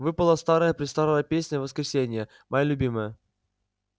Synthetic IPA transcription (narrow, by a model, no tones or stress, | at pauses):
vɨpəlˠəst̪aɾəjəpɾʲɪst̪aɾəjəpʲesʲnʲəvəskɾʲɪsʲenʲɪjə | mɐjalʲʊbʲiməjə